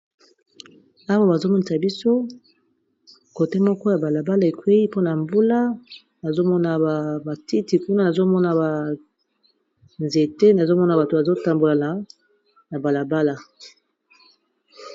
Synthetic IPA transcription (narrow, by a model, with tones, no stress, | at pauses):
a˦wa˦ba˨zo˦mɔ˦ni˨sa˨bi˦so˦ | ko˨te˦mɔ˦kɔ˦ja˨ba˨la˨ba˦la˦˨e˨kwe˦i˦po˦na˨mbu˦la˦ | na˨zo˦mɔ˦na˨ba˨ti˦ti˨ku˦na˦na˨zo˦mɔ˦na˨ba˨ | nze˨te˦na˨zo˦mɔ˦na˨ba˨to˨ba˨zo˦ta˨mbo˨la˨na˨ | na˨ba˨la˨ba˦la˨